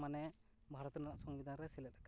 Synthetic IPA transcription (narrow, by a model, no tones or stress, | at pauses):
manɛ | bʱaɾɔt̪unanaʔsɔŋbid̪ʱanɾɛsilɛt̪aka